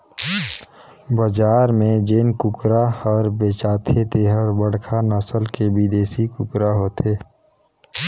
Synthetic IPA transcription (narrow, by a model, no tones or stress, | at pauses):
bəd͡ʒaːɾmẽd͡ʒɪnkʊkɾaɔːɾbeːt͡ʃaːt̪ʰet̪eɦəɾbəɽkʰanəsəlkebid̪eːsikʊkɾaɦoːt̪ʰeː